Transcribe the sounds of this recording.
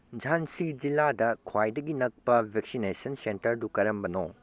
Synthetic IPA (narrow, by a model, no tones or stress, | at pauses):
d͡ʒʱansid͡ʒiladɐkʰwajdɐɡinɐk̚pɐbʱeksinesɐnsentɐɾdukɐɾɐmbɐno